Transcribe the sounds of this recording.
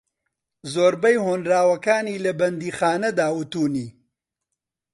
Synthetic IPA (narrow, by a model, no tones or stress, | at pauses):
zoːɾbɐjhoːnɾaːwɐkaːniːlɐbɐnd̪iːxaːnɐd̪aːwut̪uːniː